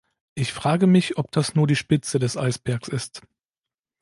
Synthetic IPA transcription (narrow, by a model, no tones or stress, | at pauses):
ʔɪçfʁ̥aːɡəmɪçʔɔp̚d̥asnuːɐdiːʃpɪt͡sədɛsʔa̰ɪsb̥ɛɐksɪst